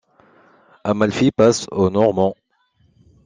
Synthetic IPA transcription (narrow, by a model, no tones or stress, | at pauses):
amalfipasonɔʁmɑ̃